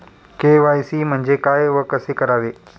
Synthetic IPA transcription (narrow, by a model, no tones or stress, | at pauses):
keːʋaːisimɐ̃ɲd͡ʑekaːeʊɦəkɐsekɐɾaːʋeː